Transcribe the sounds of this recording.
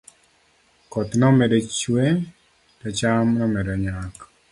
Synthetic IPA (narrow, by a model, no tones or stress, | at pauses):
kɔt̪nɔmɛdɔt͡ʃwe | tɔt͡ʃamnɔmɛdɔɲak